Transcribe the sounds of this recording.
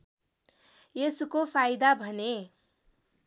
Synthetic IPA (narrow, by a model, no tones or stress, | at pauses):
jesukopʰajd̪abʱʌne